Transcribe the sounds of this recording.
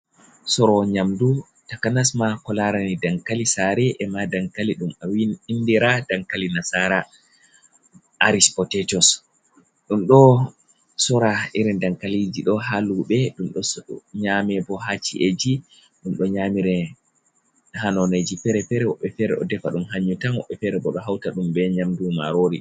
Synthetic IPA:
sɔɾɔɲamdu | takanas̬makɔlaɾanidaŋkalisaɾɛʔɛmadaŋkaliɗumawindiɾadaŋkalinasaɾa | ʔaɾispɔtɛtɔs | ɗumɗɔ | sɔɾaiɾindaŋkalid͡ʒiɗɔɦaluɓɛɗumɗɔsɲamɛbɔhat͡ʃḭʔed͡ʒi | ɗumɗɔɲamiɾɛ | hanɔned͡ʒifɛɾɛfɛɾɛwɔɓːɛfɛɾɛ̰ʔɔ̰dɛfaɗumɦaɲːutamwɔɓːɛfɛɾɛbɔɗɔɦawtaɗumbɛɲamduma̰ɾoɾi

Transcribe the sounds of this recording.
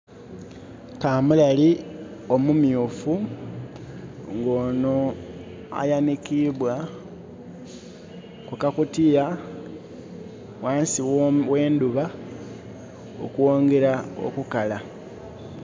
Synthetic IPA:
kaːmulalio̞mumjuːfu | ŋɡo̞ːno | a̰janikiβwa | kukakutija | waːnsiwwe̞ːnduβa | o̰kuo̞ːŋɡe̞ɾao̰kukala

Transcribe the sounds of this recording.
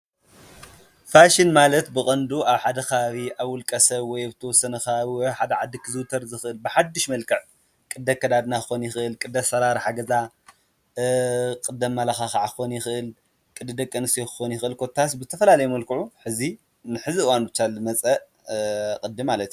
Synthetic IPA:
faʃinmalɐt̪bɨkʼɐnd̪uaβħad̪ɐxaβaβiʔaβwʊlkʼɐsɐβwɔjaβt̪ʰɐwɔsːɐnɐxaaβiwɔjħad̪ɐʕad̪ːikʰɨzuwt̪ʰɐɾzɨxʔɨlbɨħad̪ːiʃmɐlkʰɨʕ | kʼɨd̪ːɐkːɐd̪ad̪naxɨxo̞njɪxʔɨlkʼɨd̪ɐsɐɾaɾħaɡɐza | kʼɨd̪ɐmːalaxaxaʕaɨxonjɪxʔɨl | kʼɨd̪ɨd̪ɐkʼːɐnɨsojkɨ̥xonjɪxʔɨlkʰot̪ʰːas̬bɨzɨt̪ʰɐfɐlalɐjɛmɐlkɨʕuħɨzi | nɨħɨziɨwanbɨt͡ʃːalzɨmɐt͡sʼɐʔ | kʼɨd̪ːimːalɐt̪

